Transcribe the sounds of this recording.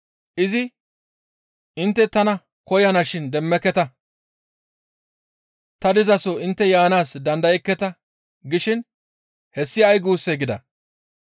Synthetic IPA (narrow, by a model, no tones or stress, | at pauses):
ʔɪzɪ | ɪnt̪ːɛt̪ɐnɐ | kɔjɐnaʃɪnd̪ɛmːɛkːɛt̪ɐ | t̪ɐd̪ɪzɐsɔɪnt̪ːɛjaːnaːsd̪ɐnd̪ɐjɛkːɛt̪ɐ | ɡɪʃɪn | hɛsːɪɐjɡuːsːeɡɪd̪ɐ̰